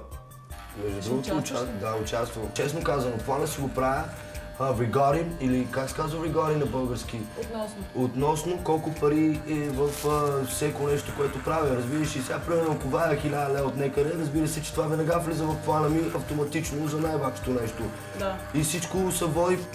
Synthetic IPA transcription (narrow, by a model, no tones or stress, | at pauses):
ɛd̪ɾuɡot̪oad̪aʊt͡ʃast̪vot͡ʃɛsnokazvɐnoplˠanəsiɡopɾavə | ɐvɾiɡaɾinilikaksɛ̥kazvəvɾiɡaɾinɐbɤlˠɡəɾskit̪ot̪nɔsnokɔlˠkʊpɐɾiɛvɐfəfsʲɛkonɛʃt̪okoɛt̪ʊpɾaviɾɐzbiɾəʃisɛɡapɾimɛɾnokovaɛxilʲad̪ɐlɛot̪nɛkəd̪ɛɾɐzbiɾəsɛt͡ʃɛt̪ovavɛnɐɡaflizəvɐfplˠanɐmiɐft̪omɐt̪it͡ʃnozɐnajbakʃo̥t̪onɛʃt̪o | isit͡ʃkʊsɐvɔɾi